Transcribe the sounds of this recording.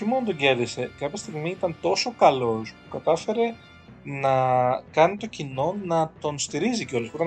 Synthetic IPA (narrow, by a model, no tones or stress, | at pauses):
oçimo̞nt̪o̞ɲɟe̞ɾðise̞kɐpçɐst̪iɣmiit̪ɐnt̪o̞so̞kɐlo̞spukɐt̪ɐfe̞ɾe̞ | nɐkɐnit̪o̞cino̞nɐt̪o̞nst̪iɾiziceo̞lopot̪ɐ